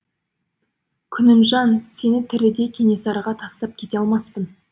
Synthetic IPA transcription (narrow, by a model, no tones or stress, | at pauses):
kʲʰʏnɪmʒɑnse̞nɪt̪ʰɪɾɪd̪e̞kʲʰe̞ne̞sɑɾɑʁɑt̪ʰɑst̪ɑp̚kʲʰe̞t̪e̞ɑlˠmɑspən